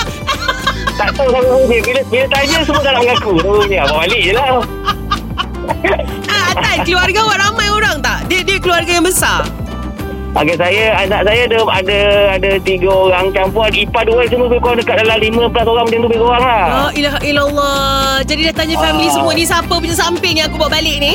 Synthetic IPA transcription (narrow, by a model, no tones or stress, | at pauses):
t̪aʔt̪awsakubudibiləbilət̪aɲəsəmuət̪alaʔməlakut̪uɾuɲəababaliʔjəla | aankəluarɡawaɾamãjoɾaŋt̪aʔdiədiəkəluarɡajaŋbəsa | o̰kesajaanaʔsajaadəadaadat̪iɡaoɾaŋt͡ʃampuanipat̪̚duas̬əmuəbekoaŋdəkat̪̚dalamlimə̃pəlasoɾaŋmə̃nt͡ʃɪŋt̪ubekoɾaŋlahailaɦilalːɔd͡ʒadidaht̪aɲafɛmilis̬əmuənĩs̬apəp̬uɲasampɪŋjãŋakubuaʔbalɪʔni